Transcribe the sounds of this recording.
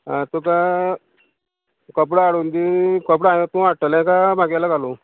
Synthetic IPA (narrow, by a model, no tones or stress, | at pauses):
at̪ũka | kəp̬ɽəaɽund̪ikəp̬ɽajt̪ũʋaʈːəlɛ̃kamaɡjalaɡalu